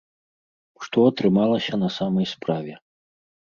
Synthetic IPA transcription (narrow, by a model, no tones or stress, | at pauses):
ʂt̪ɔɐt̪ɾɨmalˠɐsʲɐnɐsamɐjspɾavʲɛ